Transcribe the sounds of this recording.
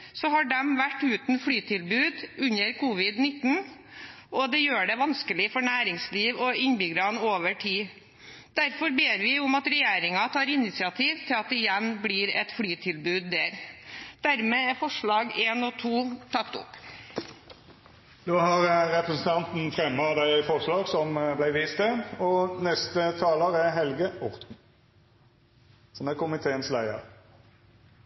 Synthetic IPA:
sɔɦɑɖɛmʋæʈːʉːt̪n̩fɽyːt̪ʰɪlbʉːd̪ʉɲːəɾkʰuːʋɪd̪nɪt̪ːn̩ | ɔd̪ɛjøːɖɛʋɑnskəlɪfɔɳæːɾɪŋsliːʋɔɪɲbɪɡɾɑnoːʋəʈʰiː | d̪̥æɾfɔɾbeːɾʋɪʊmɑt̪ɾɛjeːɾɪŋɑt̪ʰɑːɾɪnɪsɪɑt̪ʰiːʋt̪ʰɪlɑt̪̚d̪ɛɪjɛnbliːɾɛ̰t̪fɽyːt̪ʰɪlbʉːd̪ːæɾd̪̥æɾmeːæɾfɔʂɭɑːɡeːnɔt̪ʰuːt̪ʰɑkt̪ʊ̰p | d̪̥oːhɑʁʁɛpɾəsn̩t̪ʰɑnt̪n̩fʁɛmːɑd̪æɪfɔʁʂlɑːɡsɔmblæɪʋiːst̪əɔnɛst̪ət̪ʰɑːləɾæɾɦɛlɡəɔʁt̪n̩ | sɔmækʰʊmɪt̪ʰeːənslæɪə̰ɾ

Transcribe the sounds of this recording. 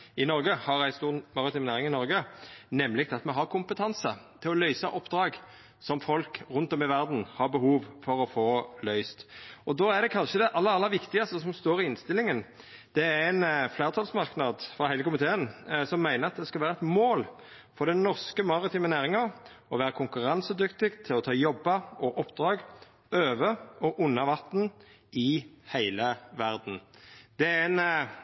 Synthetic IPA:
ɪnɔɾɡəhɑɾæɪst̪uːʁmɑɾɪt̪iːmnæːɾɪŋɪnɔʁɡənɛmːlɪɡ̚t̪ʰɑt̪mɛɦɑʁkʰʊmpət̪ʰɑnsət̪ʰɪlɔlœʏsɑʔɔpːd̪ɾɑːɡ | sɔmfɔlkʁʉnt̪ɔmɪʋæʁd̪n̩hɑʁbəhuːʋfɔɾɔfoːlœʏst̪ɔd̪oːæd̪ɛkʰɑnʃəd̪ɛʔɑlːəɑlːɑʋɪkt̪ɪɡɑst̪əsɔmst̪oːɾɪɪnst̪ɪlːɪŋən | d̪̥ɛææɪnfleːʁət̪ʰɑlsmɑʁknɑd̪fɾɑhæɪləkʰʊmɪt̪ʰeːənsɔmːæɪnəɾɑt̪̚d̪ɛskɑlʋæːɾəɛt̪moːl | fɔd̪ɛnnɔʁskəmɑʁɪt̪ʰyːmənæːʁɪŋɑ | ɔʋæːɾəkʰʊŋkʉʁɑnsəd̪ʏkt̪ɪɡt̪ʰɪlɔt̪ʰɑːjɔbːɑɔʔɔpːd̪̥ʁɑːɡ | øːʋəɔʔʊnːɑʋɑt̪n̩ | ʔɪhæɪləʋæʁd̪n̩d̪̥ɛæn

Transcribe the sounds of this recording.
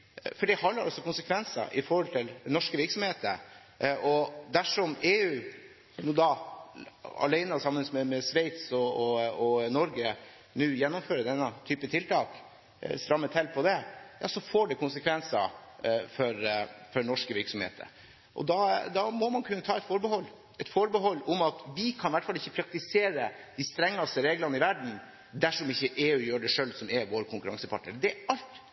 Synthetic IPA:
fɔɖɛhɑnːəɾʔɑ̰sɔkʊnsəkʰʋɛnsɑ̰ʔɪfɔɾhɔlt̪ʰɪlnɔʂkəʋɪɾksɔmheːt̪ə | ʔɔd̪æʂɔmeːʉː | nuːd̪ɑ | ɑ̰læɪnəɑsɑmːənəsmɛmɛsʋɛɪt̪sɔɔɔnɔɾɡə | nʉːjɛnːɔmføːɾəd̪ɛnːət̪ʰyːpət̪ʰɪlt̪ʰɑːk | st̪ɾɑmːət̪ʰɛlpʰɔd̪ɛjɑ̰ːsɔfɔɖɛkʰʊnsəkʰʋɛnsɑfɔɾfɔɳɔʂkəʋɪɾksɔmhḛːt̪ə̰ɾ | ʔɔ̰d̪ɑd̪ɑmɔmɑnkʰʉnːət̪ʰɑːɛt̪fɔɾbəɦɔlː | ɛt̪fɔɾbəɦɔlːɔmɑt̪ʋɪkʰɑnʋæʈːfɑlɪçːəpʰɾɑk̚t̪ɪseːɾəd̪ɪst̪ɾɛŋːɑst̪əɾeːɡlɑnəɪʋæɖɳ̩ | d̪æʂɔmɪçːəʔeːʉːjøːɖɛʂøːlsɔmɛʋoːɾkʰʊŋkʉɾɑŋsəpʰɑ̰ʈnəɾd̪ɛɑlt̪

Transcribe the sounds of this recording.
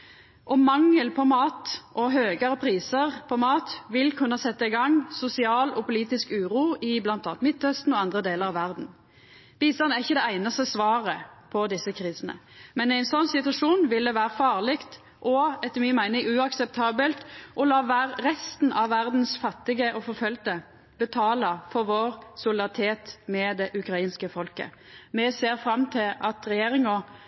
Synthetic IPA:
ʔɔmɑŋəlpʰɔmɑːt̪ʔɔɦøːɡəʁəpʰʁiːsəʁpʰɔmɑːt̪ʋɪlkʰʉnːɑsɛt̪ːəɪɡɑŋsʊsɪɑːlɔpʊliːt̪ɪskʉːɾuːɪblɑnt̪ɑːnt̪mɪt̪ːœst̪n̩ɔɑnd̪ʁəd̪eːləʁɑʋæʁd̪n̩ | b̥iːst̪ɑnæʁɪçːəd̪ɛæɪnɑst̪əsʋɑːʁəpʰɔd̪ɪsːəkʰʁiːsənə̰mɛnæɪnsɔnsɪt̪ʉʋɑʂuːnʋɪld̪əʋæːɾəfɑːʁlɪkt̪ | ʔɔɛt̪ːəmiːmæɪnɪŋʉɑksɛp̚t̪ʰɑːbəlt̪ʔɔlɑːʋæːʁʁɛst̪n̩ɑʋːæʁd̪n̩sfɑt̪ːɪɡəʔɔfɔfœlt̪ə | bət̪ʰɑːlɑfɔɾʋoːɾsʊlɪd̪ɑʁɪt̪ʰeːt̪mɛd̪ɛʔʉkɾɑiːnskəfɔlkə̰ | mɛseːɾfɾɑmt̪ʰɪlɑt̪ʁɛjeːɾɪŋɔ

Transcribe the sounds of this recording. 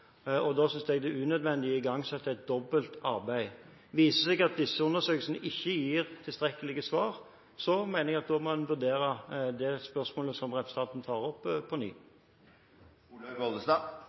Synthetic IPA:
ɔd̪ɑːsʏnsd̪ɛɡd̪ɛʉːnœd̪ʋɛnd̪ɪəɪɡɑŋːsɛt̪ːəæɪt̪̚d̪ɔbːəlt̪ɑɾbæɪ | ʋiːsəsɛɡɑt̪̚d̪ɪsːəʊnːəsøːkəlsənəʔɪçːəjiːʁt̪ʰɪlst̪ʁɛkːəlɪɡəsʋɑːʁ | sɔmæɪnəɾɛɡɑt̪̚d̪omɔnʋʉɾd̪eːɾəd̪ɛspœɾsmoːləsɔmʁɛpɾɛsət̪ʰɑnt̪nt̪ʰɑːʁɔpʰːɔny̰ː | ɡɔld̪əst̪ɑː

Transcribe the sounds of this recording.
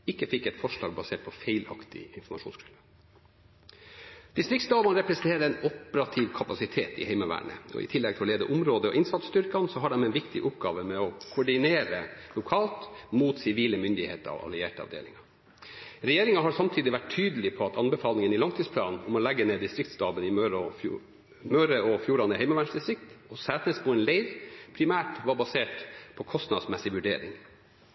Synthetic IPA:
ɪkːəfɪkːɛt̪fɔʂlɑ̰ːɡbɑseːʈ̚pʰɔfeɪlɑ̰kt̪ɪ̰ɪnfɔmɑʂuːnskʰɾʉlə | d̪̥ɪst̪ɾɪkt̪sd̪ɑːʋɑnɾɛpɾɛsn̩t̪ʰeːɾəɾɛɪnɔpəɾɑt̪ʰɪʋkʰɑpɑsɪt̪ʰḛːt̪ɪ̰hɛɪməʋæ̰ːɳə̰ɔ̰ɪ̰t̪ʰɪlːɛɡ̚t̪ʰɪɔleːd̪əʔʊmɾoːd̪əɔ̰ʔɪnsɑt̪st̪ʏɾkɑnsɔɦɑɖɛmɛnʋɪkt̪ɪ̰ʔʊpɡɑ̰ːʋəmɛɔkʰʊɖɪneːɾəlʊkʰɑːlt̪muːt̪sɪʋiːləmʏnd̪ɪhḛːt̪əɾɑ̰ʋɑ̰lɪeːʈəɑ̰ʋd̪ḛːlɪŋɑ | ɾɛjeːɾɪŋɑɦɑɾsɑmt̪ʰiːd̪ɪʋæʈʰːyːd̪əlɪpʰɔɑt̪ʰɑnbəfɑːlɪŋənɪlɑŋt̪ʰiːspʰlɑ̰ːnʊmɔlæɡːəneːd̪ɪst̪ɾɪk̚t̪st̪ɑːbənɪmøɾ | møːɾəɔfjuːɾɑnəhɛɪmɑʋæɳsɪst̪ɾɪkt̪ɔsæːt̪əspʰɔɛnleɪɾpʰɾɪmæːʈʋɑbɑseːʈpʰɔkʰɔst̪nɑd̪smɛsɪʋʉɖḛːɾɪ̰ŋ

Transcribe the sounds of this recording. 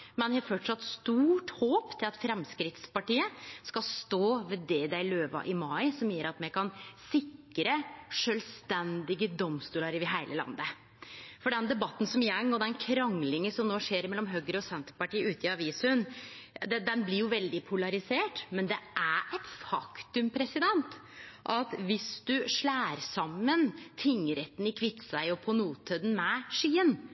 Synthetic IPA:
mɛnhɛfɔʈʂɑt̪st̪uːʈhoːpt̪ʰɪlɑt̪fɾɛmskɾɪt̪spɑʈiːəskɑst̪oːʋɛd̪ɛd̪æɪløːʋɑ̰ʔɪmɑɪsɔmjiːɾɑt̪mɛkʰɑnsɪkːɾəʂœːlst̪ɛnd̪ɪɡəd̪ɔmst̪uːlɑɾʋɪɦæɪlʔəlɑ̰nd̪ə | fɔɖɛnd̪ɛbɑt̪ːn̩sɔmjɛŋːɔd̪ɛnkʰɾɑŋlɪŋəsɔmnoːʂeːɾmɛlːɔmɦøːɡəɾəɔsɛnt̪əɾpɑʈiːʉːt̪ɪɑʋiːsən | d̪ɛd̪ɛnblɪɾjʊʋɛld̪ɪpʰʊlɑɾɪseːʈmɛnd̪ɛʔæɛt̪fɑkt̪ʉmpʰɾɛsɪd̪ɛnt̪ʔɑt̪ʋɪsd̪̥ʉʂɭæːɾsɑmːənt̪ʰɪŋːəɾɛt̪ːn̩ɪkʰʋɪt̪ːsæɪɔpʰɔnuːt̪ʰəd̪n̩mɛʂiːən

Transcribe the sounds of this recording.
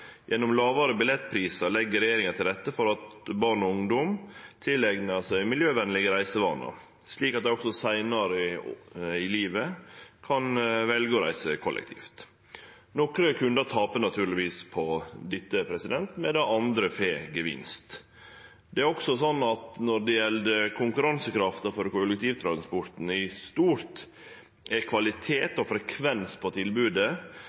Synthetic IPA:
jʔɛnːɔmlɑːʋɑɾəbɪlɛt̪ːpʰɾiːsɑlɛɡːəɾɛjeːɾɪŋɑt̪ʰɪlɾɛt̪ːəfɔɾɑt̪bɑɳɔʊŋd̪ɔmt̪ʰɪlːɛɡnəsæɪmɪljøːʋɛnlɪɡəɾæɪsəʋɑ̰ːnɑ̰ | sliːkɑt̪̚d̪æɾɔksɔsæɪnɑɾə | ɪliːʋəkʰɑnʋɛlɡəɔɾæ̰ɪsəkʰɔlʔɛ̰k̚t̪ʰḭːft̪ | nɔkɾəkʰʉnd̪ət̪ʰɑːpənɑt̪ʰʉːɾɭɪʋiːspʰɔd̪ɪt̪ːəpʰɾɛsɪd̪ɛnt̪mɛd̪ɛʔɑnd̪ɾəfeːɡəʋɪ̰nst̪ | d̪ɛæɾɔksɔsɔnːɑt̪nɔɖ̪ɛjɛld̪əkʰʊŋkʉɾɑnsəkɾɑft̪əɾfɔɾkʰʊlɛk̚t̪ʰiːʋt̪ʰɾɑnspɔɾt̪n̩ɪst̪uːɾt̪ | ækʰʋɑlɪt̪ʰeːt̪ɔfɾɛkʰʋɛnspʰɔt̪ʰɪlbʉːd̪ə

